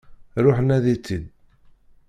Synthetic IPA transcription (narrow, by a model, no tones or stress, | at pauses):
ɾʊħənæðit͡sːid̪̚